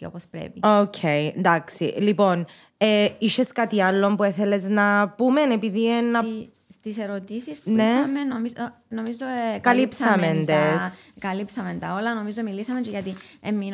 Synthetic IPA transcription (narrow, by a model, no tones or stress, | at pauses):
opospɾḛpiocʰejnd̪aksḭlipo̞n | eiʃeskɐt̪iɐlːo̞mpue̞θe̞le̞znɐpume̞ne̞piðinːɐ | st̪iseɾot̪isispneiɐmenomi | nomizokɐlipsɐmend̪eskɐlipsɐment̪ɐolɐno̞mizomilisɐment͡ʃeʝɐt̪i | emːin